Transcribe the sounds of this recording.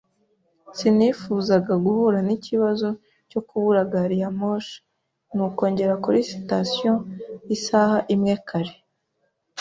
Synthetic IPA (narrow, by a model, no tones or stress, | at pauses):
sinifuːzaɡaɡuhuɾaniciβazo̞ | co̞kuβuɾaɡaɾijamoʃ | nuko̞ːɲɟe̞ɾakuɾisi̥tasijoisahaʔimŋekʰaɾe